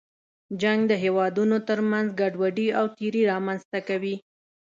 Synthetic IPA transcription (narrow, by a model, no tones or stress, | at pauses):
d͡ʒaŋɡd̪əɦewɑd̪unot̪əɾmanzɡaɖwaɖiawt̪iɾiɾɑmanzt̪akawi